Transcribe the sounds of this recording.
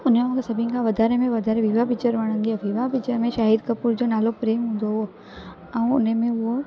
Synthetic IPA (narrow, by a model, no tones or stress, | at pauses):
ʊnmeõkʰesɐbʱĩkãʋɐd̪ʱaːɾemẽʋɐd̪ʱaːɾeʋiʋapɪt͡ʃəɾʋɐɽ̃ə̃nɡ̪eaʋiʋapɪt͡ʃəɾmẽʃaːɦid̪kɐpuɾd͡ʑoːnaːlopɾeːmɦũːnd̪oɦo | ɛũʊ̰nemẽɦo